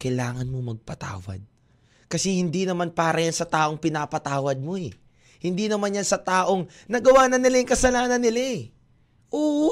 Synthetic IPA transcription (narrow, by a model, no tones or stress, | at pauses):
kɐjlaːŋɐnmomɐɡ̚pɐt̪a̰ːwɐ̰d̪̚ | kɐsɛhɪnd̪inɐmanpaːɾɐjansɐt̪aːʔo̞ŋpɪnaːpɐt̪aːwɐd̪̚mo̞ɛ | hɪnd̪inɐmanjansɐt̪aːʔo̞ŋnɐɡɐwaːnɐnɪlajɪŋkɐsɐlaːnɐnːɪla | ʔoː